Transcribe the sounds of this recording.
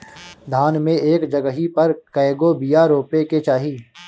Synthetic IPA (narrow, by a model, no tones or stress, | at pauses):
d̪ʱaːnmẽeːkd͡ʒɐɡəɦipɐɾkɛːɡobijaɾoːpeket͡ʃaːɦiː